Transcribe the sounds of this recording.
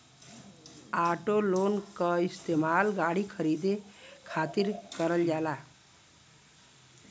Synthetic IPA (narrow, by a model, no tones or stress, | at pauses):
aːʈoloːnkaɪst̪eːmaːlɡaːɽikʰəɾiːd̪ekʰaːt̪ɪɾkəɾəld͡ʒaːlaː